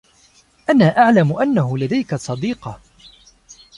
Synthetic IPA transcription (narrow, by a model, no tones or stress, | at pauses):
ʔanaːʔaʕlamʊʔanːaɦʊlad̪ajkasˤɑd̪iːqɑ